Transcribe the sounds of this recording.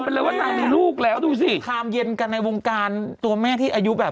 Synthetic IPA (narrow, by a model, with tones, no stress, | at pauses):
pe˧nlɤː˧jwaː˥˩na˧ŋdiː˧luː˥˩k̚lɛː˦˥wduː˧si˧˩kʰaː˧mje˧nka˧nːa˧jwo˧ŋkaː˧nt̪u˧ɐmɛː˥˩t̪ʰiː˥˩ʔa˧ju˦˥bɛː˨˩p